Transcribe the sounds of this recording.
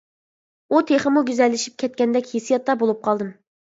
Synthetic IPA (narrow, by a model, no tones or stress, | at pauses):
ut̪ʰeχəmuɡʲyzɛlːɪʃi̥p̚kʲʰɛt̪̚kʲɛnd̪ɛkʲhesijɑt̪ːɑbolˠup̚qʰɑlˠd̪ɨm